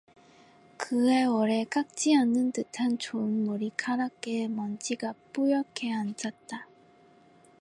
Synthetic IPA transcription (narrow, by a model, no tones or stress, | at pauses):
kɯe̞wʌɾe̞k͈ak̚t͡ɕ͈ianːɯntɯtʰant͡ɕoɯnmoɾikʰaɾak͈emʌnt͡ɕiɡap͈ujʌkʰeand͡ʑat̚t͈a